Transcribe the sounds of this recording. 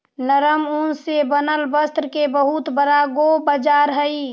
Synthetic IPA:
nəɾəmunsebənəlbəst̪ɾəkebəɦut̪bəɾaɡobəd͡ʒaːɾɦəi

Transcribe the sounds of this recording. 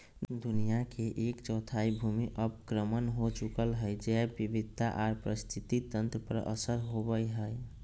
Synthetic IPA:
d̪unijakeʔekt͡ʃɔt̪ʰaibʱumiʔəpkɾəmənɦot͡ʃukəlɦəjd͡ʒɛbibid̪̚ʱtaʔaɾpɾəst̪ʰit̪it̪ənt̪ɾəpəɾə̰səɾɦobəjɦəj

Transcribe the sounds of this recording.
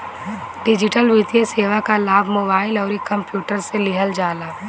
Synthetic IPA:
ɖɪd͡ʒɪʈəlʋɪt̪jeseːʋakalaːbʱmoːbaːɪlɔːɾekːɐ̃mpjuːʈəɾselɪɦəld͡ʒaːlaː

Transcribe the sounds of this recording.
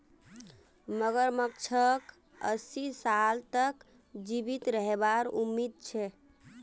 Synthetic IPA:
məɡəɾmək̚t͡ʃʰək | ə̰sisalt̪ək | d͡ʒibit̪ɾəɦebaɾumːid̪̚t͡ʃʰɛ

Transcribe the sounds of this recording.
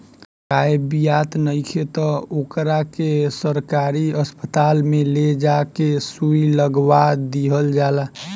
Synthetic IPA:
kaebijat̪nəɪkʰet̪ɔokɾakesəɾkaɾiəspət̪almeled͡ʒakesuiləɡbad̪iɦəld͡ʒala

